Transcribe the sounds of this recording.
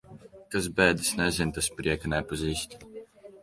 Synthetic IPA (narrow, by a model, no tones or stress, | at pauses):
kaz̬bɛːd̪ɨsnɛzʲɪnt̪aspɾʲiɛkɐnʲɛpaziːsʲt̪ʲ